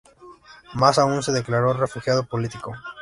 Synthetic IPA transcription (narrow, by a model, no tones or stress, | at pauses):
masauns̬e̞ðe̞klaɾo̞re̞fuxjaðo̞polit̪iko̞